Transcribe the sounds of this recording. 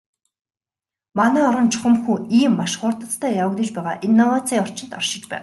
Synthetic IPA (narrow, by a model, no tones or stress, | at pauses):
manæːɔɾə̆nt͡ɕʰʊ̥χə̆mxuːiːmːaʃχʊrt̪ə̆t͡st̪ʰæːjawə̆ɣt̪ə̆t͡ɕpæːʁa̰ːʔinːɔwat͡sʰiːɔr̥t͡ɕɪ̆nt̪ɔrʃɪ̆t͡ɕpæ̰ːw